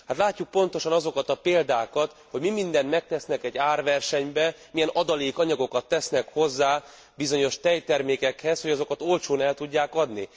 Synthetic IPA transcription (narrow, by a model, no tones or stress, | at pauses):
hat̪laːcːuk̚po̞nt̪o̞ʃɒnɒzo̞kɒt̪ɒpeːld̪aːkɒt̪ | ho̞ɟmimind̪ɛnmɛk̚t̪ɛsnɛkɛɟːaːrʋɛrʃɛɲbɛ | mijɛnɒd̪ɒleːkɒɲɒɡo̞kɒt̪ːɛsnɛkho̞zːaː | bizo̞ɲo̞ʃt̪ɛjt̪ɛrmeːkɛkhɛsho̞ɟɒzo̞kɒt̪o̞lt͡ʃoːnɛlt̪uɟːaːkɒd̪ni